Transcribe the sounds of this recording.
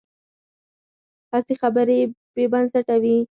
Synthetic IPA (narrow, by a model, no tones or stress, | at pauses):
tasexabəɾebebansaʈawi